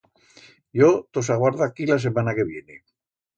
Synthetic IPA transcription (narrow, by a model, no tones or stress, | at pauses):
jot̪osaɣwaɾðakilas̬emanakeβjene